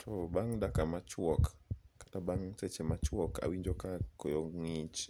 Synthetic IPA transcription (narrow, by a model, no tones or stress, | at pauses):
tʰɔbaŋdakamat͡ʃwɔkkḁtabaŋsɛt͡ʃɛmat͡ʃwɔkʰa̰wiɲd͡ʒɔkakɔjɔŋit͡ʃ